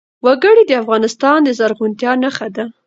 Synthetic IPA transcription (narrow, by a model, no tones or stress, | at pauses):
waɡəɽid̪əafɣɑnɪst̪ɑnd̪əzaɾɣunt̪jɑnaxad̪a